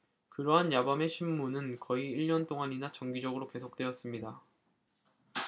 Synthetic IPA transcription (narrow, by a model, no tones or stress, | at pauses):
kɯɾʌɦanjabame̞ɕʰimːunɯnkʌiːɭɲʌnt͈oŋaɲinat͡ɕʌŋɡid͡ʑʌɡɯɾoke̞sʰok̚t͈we̞ʌs͈ɯmɲida